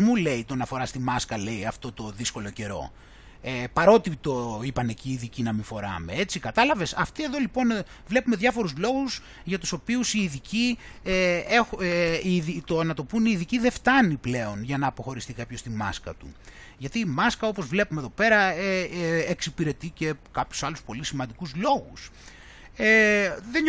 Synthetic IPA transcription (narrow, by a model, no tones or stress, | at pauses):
mule̞it̪onɐfo̞ɾɐst̪imɐskɐle̞iɐft̪o̞t̪o̞ðisko̞lo̞ce̞ɾo̞̰ | epɐɾo̞t̪it̪o̞ipɐne̞ciːðicinɐmiɱfo̞ɾɐ̰me̞e̞t͡sikɐt̪ɐlɐve̞sɐft̪ie̞ðo̞lipo̞n | vle̞pume̞ðʝɐfo̞ɾuzlo̞ɣus | ʝɐt̪u̥so̞piusiːðici | eeiðit̪oɐnɐt̪o̞puniːðiciðeft̪ɐniple̞o̞nʝɐnɐːpo̞xo̞ɾist̪ikɐpçost̪imɐ̰skɐ̰t̪ṵ | ʝɐt̪iːmɐskɐo̞po̞zvle̞pumeðo̞pe̞ɾɐeːksipiɾe̞t̪ice̞kɐpçu̥sɐluspo̞lisimɐnd̪ikuzlo̞ɣus | eðen